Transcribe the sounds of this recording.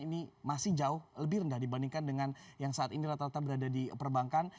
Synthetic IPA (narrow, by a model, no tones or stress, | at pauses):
inimasɪhd͡ʒaʊhləbɪhɾəndahdibandiŋkandəŋanjaŋsaʔat̪iniɾat̪aɾat̪abəɾadadipərbaŋkan